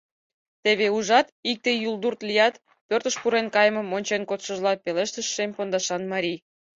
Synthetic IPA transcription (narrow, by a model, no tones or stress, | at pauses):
t̪eβeuʒɑt̪ik̚t̪ejuld̪urt̪lijɑt̪ | pørt̪əʃpuɾenkɑjəməmonʲt͡ɕenkot̪ʃəʒlɑpeleʃt̪əʃːempond̪ɑʃɑnmɑɾʲij